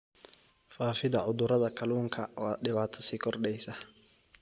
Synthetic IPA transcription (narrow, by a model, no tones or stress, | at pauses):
faːfɪðɐʕʊðʊɾɐðɐkʰɐluːŋkʰɐwɑːɖɪβaːt̪ʰɔ̥siːkʰɔrɖɛjsɐ